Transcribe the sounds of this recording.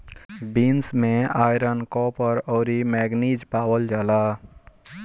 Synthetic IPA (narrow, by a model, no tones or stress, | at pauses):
binsmẽaːjɾənkɔpəɾɔːɾimɛːɡnid͡ʒpaːwəld͡ʒaːla